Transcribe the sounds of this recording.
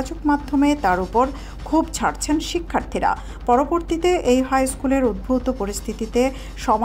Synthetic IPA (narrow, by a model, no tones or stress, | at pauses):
d͡ʑokmad̪ʱːomet̪aɾupoɾ | kʰubt͡ɕʰaɾt͡ɕʰenʃikʰːaɾt̪ʰiɾa̰ | pɔɾoboɾt̪it̪eʔejɦajskuleɾud̪̚bʱut̪opoɾist̪ʰit̪it̪e | ʃɔm